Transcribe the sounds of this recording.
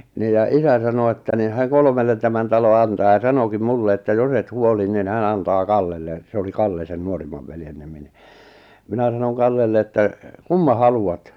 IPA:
niːj jɑ isæ sɑno etːæ ni hæˑŋ̆ kolmelːen tæmæn tɑlo ɑntɑː jɑ sɑnokim mulːe etːæ jos et huoli nin hæn ɑntɑː kɑlːelːe se oli kɑlːe sen nuorimːɑʋ ʋeljen nimi ni minæ sɑnon kɑlːelːe etːæ kumːɑ hɑluɑt

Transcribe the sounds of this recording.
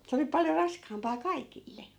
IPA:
se oli pɑljo rɑskɑːmpɑː kɑikilːe

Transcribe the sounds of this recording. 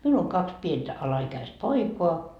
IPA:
miul oŋ kɑks pientæ ɑlɑikæist poikoɑ

